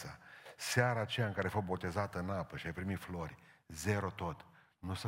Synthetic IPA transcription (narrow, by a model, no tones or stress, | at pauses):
ə̰seaɾaːt͡ʃe̞jaɨŋkaɾeafot̪̚bo̞t̪e̞zat̪əɨnapəʃiajpɾimit̪flo̞rʲze̞ɾo̞t̪o̞t̪ | nus